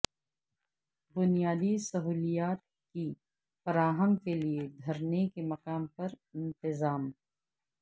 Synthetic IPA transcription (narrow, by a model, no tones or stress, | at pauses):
bʊnijaːd̪isɐɦuːlijaːt̪̚ | ki | fɐɾaːɦəmkelied̪ʱɐɾnekemɐkaːmpɐɾ | ɪ̃nt̪ɪzaːm